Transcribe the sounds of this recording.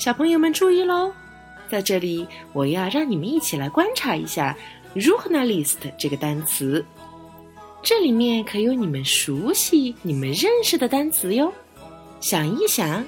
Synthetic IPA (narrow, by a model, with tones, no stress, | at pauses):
ɕjɑ˨˩ʊpʰɤ˧˥ŋjo˥˧ʊmə˧nʈ͡ʂu˥˧i˥˩lə˧˥ | t͡sa˥˧ɪʈ͡ʂɤ˥˩li˨˩˦wɔ˨˩˧jɑ˥˧ʊɻɑ˥˩ŋni˨˩mə˦ni˥˩t͡ɕʰi˨˩la˧˥ɪkwa˥nʈ͡ʂʰa˧˥ḭ˧˥ɕja˥˩ | ɻu˧˥xɤ˧˥na˥˧li˥˩s̩˨˩d̪ə˦ʈ͡ʂɤ˥˩ɡə˩t̪a˥nt͡sʰɹ̩˧˥ | ʈ͡ʂɤ˥˩li˨˩mjɛ˥˩nkʰɤ˧˥jo˧˥ʊni˨˩mə˦nʂu˧˥ɕi˧˥ni˨˩mə˦nɻə˥˧nʂɻ̩˥˩d̪ə˩t̪a˥nt͡sʰɹ̩˧˥jo˥˧ʊ | ɕjɑ˨˩ŋi˥˩ɕjɑ˨˩˦ŋ